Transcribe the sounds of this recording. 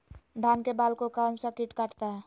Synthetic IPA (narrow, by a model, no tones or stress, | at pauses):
d̪ʱankebalkokansəkiʈkaʈt̪a